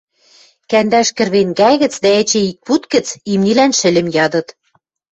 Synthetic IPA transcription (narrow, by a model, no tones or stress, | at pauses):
kænd̪æʃkɘ̆rβeŋɡæɣɘ̆t͡sd̪æĕt͡ɕĕik̚put̪kɘ̆t͡simnilænʃɘ̆lʲɘ̆mjɑd̪ɤ̆t̪